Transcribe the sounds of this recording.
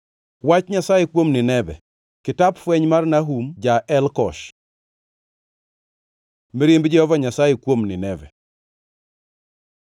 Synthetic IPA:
wat͡ʃɲasajekwomnɪnɛbɛ̰ | kɪtapfwɛɲmarnaɦumd͡ʒaʔɛlkɔʃ | mɪɾɪmbd͡ʒɛhɔvaɲasajekwomnɪnɛvɛ̰

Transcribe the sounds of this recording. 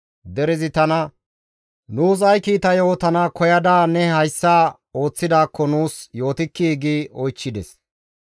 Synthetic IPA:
d̪ɛɾɪzɪt̪ɐnɐ | nuːs̬ɐjkiːt̪ɐjo̞ːt̪ɐnɐkɔjɐd̪aːnɛhɐjsːaː | o̞ːt͡sːɪd̪aːkːɔnuːsjo̞ːt̪ɪkːiːɡiɔjt͡ʃːɪd̪ɛs

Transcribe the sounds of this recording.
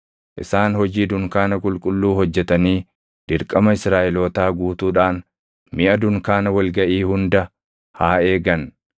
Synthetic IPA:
ʔɪ̰saːnhɔd͡ʒiːd̪ʊŋkaːnɐkʼʊlkʼʊlːuːhɔd͡ʒːɛt̪ɐniː | d̪̥ɪɾkʼɐmɐɪsɾaːʔɛloːt̪aːɡuːt̪uːᶑaːn | mɪʔɐd̪ʊŋkaːnɐwɐlɡɐʔiːhʊnd̪ɐ | haːe̞ːɡɐn

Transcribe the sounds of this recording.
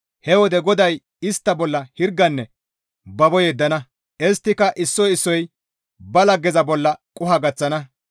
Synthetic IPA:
hɛwɔd̪ɛɡɔd̪ɐj | ɪst̪ːɐbɔlːɐhɪɾɡːɐnːɛ | bɐbɔjɛd̪ːɐnɐ | ʔɛst̪ːɪkɐʔɪsːɔjɪsːɔj | bɐlɐɡɛzɐbɔlːɐkʼʊhɐɡɐt͡sːɐnɐ

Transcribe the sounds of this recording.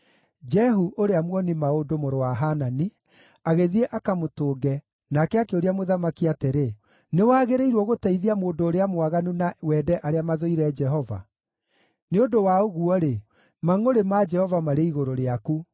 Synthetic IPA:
d͡ʒɛɦuʔoɾeamwɔnimaodomoɾowaɦanani | aɣeðieʔakamotoːɡɛ | nakɛakɛoɾeamoðamakiateɾe | newaːɣeɾeiɾwɔɣotaiðiamoːndoːɾeamowaɣanunawɛːdɛʔaɾeamaðoiɾɛd͡ʒɛɦɔva̰ | neodowaoɣuɔɾe | maŋoɾemad͡ʒɛhɔvamaɾeiɣoɾoɾeaku

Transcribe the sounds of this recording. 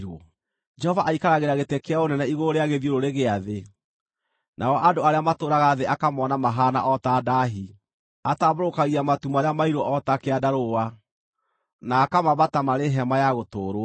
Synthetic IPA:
ɾɔ | d͡ʒɛhɔvaʔaikaɾaɣeɾaɣetekeaonɛnɛiɣoɾeaɣeðjoɾoɾeɣeaðe | nʔaɔʔadoaɾeamatoːɾaɣaðeakamɔnamaɦaːna̰ʔɔtaːdaɦi | ataβoɾokaɣiamatumaɾeamaiɾwɔʔɔtakeadaɾowa | naːkamaβatamaɾeɦɛmajaɣotoːɾo

